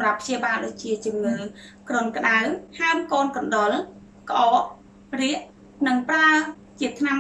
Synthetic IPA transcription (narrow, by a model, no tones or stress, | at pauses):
mrapːʰt͡ɕiəɓaːlɗoːc̚t͡ɕiət͡ɕŭəmŋəːlkronkə̆ɗaəhaəmkoːnkɑnɗol | kʔɑːʔ | riəʔ | nɨŋpraə | t͡ɕiət̪ʰnam